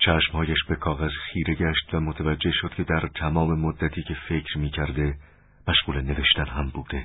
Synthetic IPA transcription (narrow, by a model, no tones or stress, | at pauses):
t͡ʃʰæʃmhɒːjæʃbe̞kʰɒːɣæzxiːɾe̞ɟæʃt̪væmot̪ʰævæd͡ʒːe̞hʃo̞d̪̥̚cʰe̞d̪æɾt̪ʰæmɒːme̞mod̪ːæt̪ʰiːcʰe̞fe̞cʰɾmiːcʰæɾd̪e̞ | mæʃɣuːleneve̞ʃt̪ænɦæmbuːd̪̥e̞